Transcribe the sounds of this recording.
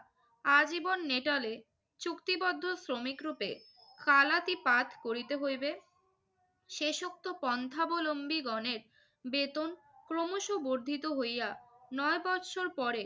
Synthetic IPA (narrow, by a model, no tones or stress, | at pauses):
ad͡ʑibonːeʈale | t͡ɕukt̪ibɔd̪ʱːosɾomikɾupḛ | kalat̪ipat̪ʰkoɾit̪eɦojbe | ʃeʃok̚t̪opɔnt̪ʰabolombiɡɔneɾ | bet̪on | kɾomoʃuboɾd̪ʱit̪oɦojanɔebɔt̪ʃʰoɾpɔɾe